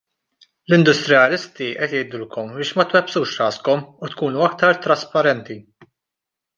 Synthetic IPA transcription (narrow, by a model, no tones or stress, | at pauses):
lɪnd̪ʊst̪ɾɪɐlɪst̪iʔɛt̪jɛjd̪ʊlkʰɔmbɪːʃmɐt̪wɛpsuːʃɾɐːskɔmut̪kuːnuɐk̚t̪ɐɾt̪ɾɐspɐɾɛnt̪i